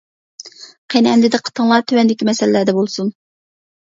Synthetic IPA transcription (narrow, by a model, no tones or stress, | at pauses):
qʰenɛnd̪ɪd̪ɛqʰə̥t̪ʰəŋlˠɑt̪ʰywɛnd̪ɪkʲimɛsɛllæd̪ɛbolˠsun